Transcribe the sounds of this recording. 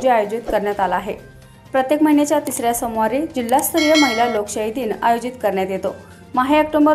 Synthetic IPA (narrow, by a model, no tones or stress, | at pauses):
d͡ʑiajod͡ʑit̪kəɾɳjat̪alaɦe | pɾət̪jekməɦinet͡ɕjat̪isɾjasəmʋaɾid͡ʑilːast̪ʰɾijəməɦiljalokɕaɦid̪iːna̰jod͡ʑit̪kəɾɳjat̪jet̪o | maɦeək̚ʈombə